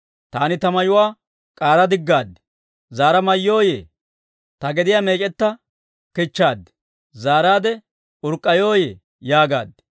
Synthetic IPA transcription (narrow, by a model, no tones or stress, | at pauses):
t̪aːnɪt̪ɐmɐjʊwaː | kʼaːɾɐd̪ɪɡːaːd̪ | zaːɾɐmɐjːoːjḛː | t̪ɐɡɛd̪ɪjaːmeːkʼɛt̪ːɐ | kɪt͡ʃːaːd̪ | zaːɾaːd̪ɛ | ʊɾkʼːɐjoːjeː | jaːɡa̰ːd̪